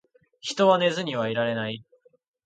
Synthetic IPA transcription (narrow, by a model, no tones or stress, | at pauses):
çi̥t̪o̞βane̞zɨɲ̟iβaiɾaɾe̞nai